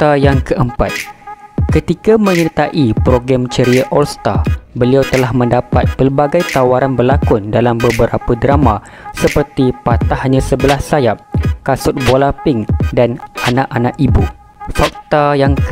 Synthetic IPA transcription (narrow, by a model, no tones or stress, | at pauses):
t̪ajaŋkəʔəmpat̪̚kət̪ikamə̃ɲət̪aʔipɾoɡɾamt͡ʃəɾiaʔɔlst̪abəliawt̪əlaɦmə̃ndapat̪̚pərbaɡajt̪awaɾanbərlakʊndalambəbəɾapadɾamã | səpərt̪ipat̪ahɲãsəbəlahsajap̚kasʊt̪̚bolapɪŋdanʔanãʔanaʔibu | fak̚t̪ajaŋ